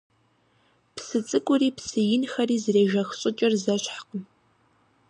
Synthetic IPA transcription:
psɨt͡sʼɨkʷʼʊriːpsɨjɪnxɐriːzreːʒɐxɕʼɪt͡ʃʼɪrzɐɕħqəm

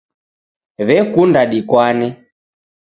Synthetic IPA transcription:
βɛkundaɗikwanɛ

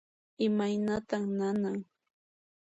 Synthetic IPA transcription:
ɪmajnat̪aŋnanaŋ

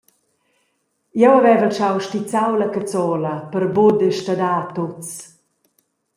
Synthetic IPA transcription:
jɛwavɛvəlt͡ʃawʃtit͡sawlakat͡sɔlɐpəɾbod̪əʃtad̪aːt̪ot͡s

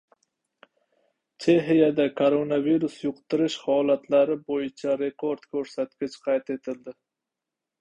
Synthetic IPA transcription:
t͡ʃʰe̞ɦijad̪akʰoɾonaviɾusjʊqt̪ʰɪɾɪʃhɒlat̪ʰlaɾɪbojɪt͡ʃʰaɾe̞kʰo̞ɾd̪̥kʲʰɵɾsat̪kʲɪt͡ʃqʰɑjt̪e̞t̪ʰɪld̪ɪ

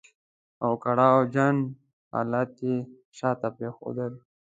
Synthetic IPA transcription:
awkaɽɑwd͡ʒan | ha̰ːlat̪e | ʃɑːt̪apɾexo̰d̪əl

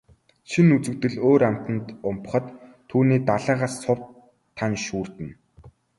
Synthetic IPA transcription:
ʃinut͡sɘ̆wt̪ɘ̆ɮoːɾam̥t̪ə̆nt̪ʊmp̆χə̆t̪ʰː | uːniːt̪aɮaːʁaːsːʊp̪ʰː | anʃuːr̥t̪ɘ̆n

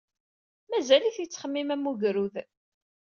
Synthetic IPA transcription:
mæzæliθjət͡sːχəmːimæmːuʝɾuð

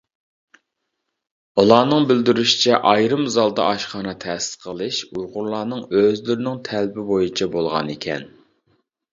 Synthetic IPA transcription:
ulˠɑːnɨŋbɪld̪yɾyʃi̥t͡ʃʰɛʔɑjɾɨmzɑlˠd̪ɑ̰ʔɑʃχɑːnɑt̪ʰɛsɪ̥sqʰəlˠɨʃujʁʊɾlˠɑːnɨŋøzlyɾɪnɪŋt̪ʰælbɪbojit͡ʃʰɛbolˠʁɑ̰nekʲʰɛ̰n

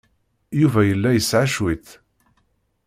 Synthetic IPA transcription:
juvæjəlːæjəsʕaʃwiθ

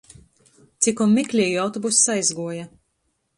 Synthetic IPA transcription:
t̪sikumʲːiklʲiɛjiawt̪ɔbusːajzɡuɔja

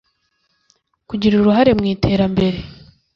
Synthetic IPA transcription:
kuɟiɾuɾuɦaɾe̞mŋiːtʰe̞ːɾambe̞ɾe̞

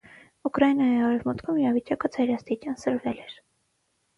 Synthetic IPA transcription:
ukɾɑjnɑjiɑɾɛvmɔt̪kʰumiɾɑvit͡ʃjɑkəd͡zʰɑjɾɑst̪it͡ʃjɑnsəɾvɛlɛɾ

